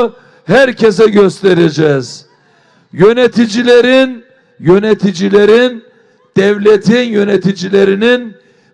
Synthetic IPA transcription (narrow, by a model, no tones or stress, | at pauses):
hæɾcʰes̬ɛɟø̞st̪ʰeɾed͡ʒɛz̥ | jø̞net̪ʰid͡ʒilʲeɾin | jønet̪ʰid͡ʒilʲeɾin | d̪̥ɛvlʲet̪ʰinjø̞net̪ʰid͡ʒilʲeɾinin